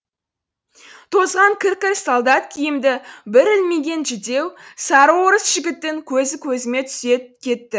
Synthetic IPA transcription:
t̪ʰo̞zʁɑŋkʲʰɪɾkʲɪɾssolˠd̪ɑt̪kʲʰijɪmd̪ɪbɪɾɪlmeɡʲe̞nʒɪd̪e̞wsɑɾəwoɾəsʒ̥ɪɡʲɪt̪ːɪŋkʲʰɵzɪkʲʰɵzɪme̞t̪ʰʏ̥sekʲʰe̞t̪ːɪ

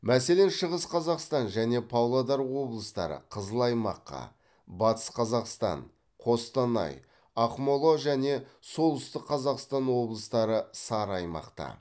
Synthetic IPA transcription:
mæse̞le̞nʃəʁəsqʰɑzɑqst̪ɑnʒæne̞pʰɑwlˠad̪ɑɾwo̞blˠəst̪ɑ̰ɾə̰qʰəzəlˠɑjmɑqːɑ̰ | bɑt̪ə̥sqʰɑzɑqst̪ɑ̰ɴ | qʰo̞st̪ɑnɑ̰j | ɑqmo̞lˠo̞ʒæne̞so̞lˠʏst̪ɪqʰːɑzɑqst̪ɑnwo̞blˠəst̪ɑɾəsɑɾɑjmɑ̰qt̪ɑ̰

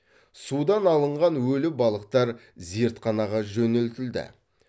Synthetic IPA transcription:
sud̪ɑnɑlˠəɴʁɑnwɵlɪbɑlˠəqt̪ɑɾ | zeɾt̪qʰɑnɑʁɑʒɵnɪlt̪ɪld̪ɪ̰

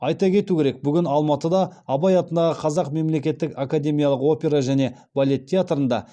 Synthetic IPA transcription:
ɑjt̪ɑkʲʰe̞t̪ukʲʰe̞ɾe̞k̚bʏɡʲɪnɑlˠmɑt̪əd̪ɑːbɑjɑt̪ənd̪ɑʁəqʰɑzɑqme̞mle̞kʲe̞t̪ːɪkakad̪ʲe̞mʲijalˠəqo̞pʲe̞ɾaʒæne̞ | b̥alʲe̞t̪ʰʲːeat̪ɾənd̪ɑ̰

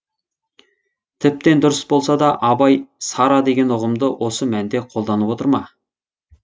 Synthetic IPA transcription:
t̪ʰɪp̚t̪e̞nd̪ʊɾəsbo̞lˠsɑd̪ɑʔɑbɑjsɑɾɑd̪e̞ɡʲe̞nʊʁəmd̪əwʔo̞səmænd̪e̞qʰo̞lˠd̪ɑnəpwo̞t̪əɾmɑ

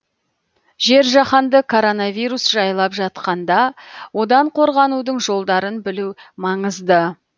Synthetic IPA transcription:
ʒe̞ɾʒɑχɑnd̪əkʰo̞ɾo̞navijɾusʒ̥ɑjlˠɑpʒɑt̪̚qɑnd̪ɑwo̞d̪ɑɴqʰo̞ɾʁɑnud̪əɴʒo̞lˠd̪ɑɾənbɪlumɑɴəzd̪ə

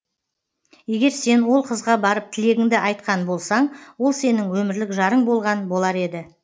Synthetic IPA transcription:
je̞ɡʲe̞ɾse̞nwo̞lˠqʰəzʁɑbɑɾəp̚t̪ʰɪle̞ɡʲɪŋd̪ɪʔɑjt̪qɑnbo̞lˠsɑɴwo̞lˠse̞nɪŋwɵmɪɾlɪkʒɑɾəɴbo̞lˠʁɑnbo̞lˠɑɾe̞d̪ɪ

